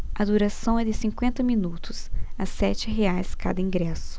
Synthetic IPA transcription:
ɐd̪uɾasɐ̃w̃ɛd̪ɪsĩŋkwẽnt̪ɐmĩnut̪ʊsɐsɛt͡ʃɪɦeajska̰d̪ɐĩŋɡɾɛsʊ̥

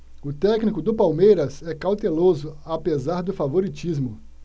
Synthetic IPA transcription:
ʊt̪ɛknikʊd̪ʊpawmejɾɐzɛkawt̪elozʊapezaɾd̪ʊfavoɾit͡ʃizmʊ

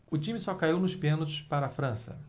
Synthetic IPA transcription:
ʊt͡ʃĩmɪsɔkaiwnʊʃpẽnot͡ʃʊ̥ʃpaɾɐːfɾɐ̃sɐ̰

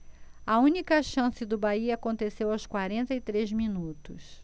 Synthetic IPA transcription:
ɐũnikɐʃɐ̃sɪd̪ʊbaiɐakõnt̪esewawskwaɾẽnt̪ɐit̪ɾezminut̪ʊs

